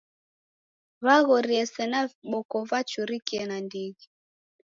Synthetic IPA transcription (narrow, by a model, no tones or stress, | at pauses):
βaɣɔɾiɛsɛnaɓɔkɔvat͡ʃuɾikiɛnandiɣi